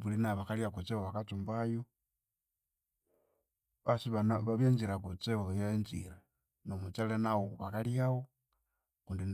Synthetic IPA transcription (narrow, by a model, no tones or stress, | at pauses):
βulinaβaxalijakut͡sewoβakat͡sumbajo | βasiβaβaβjenziɾakut͡seojenzḭɾe | nomut͡salenawoβakaljawo | kuːndin